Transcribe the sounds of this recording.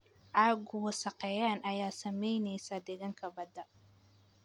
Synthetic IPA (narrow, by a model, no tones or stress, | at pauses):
ʔaːɡʊwɐʃɑqɛjaːnʔɐjaːsɐmɛjnɛjsad̪ɛɣaŋkʰɐbɐd̪ɐ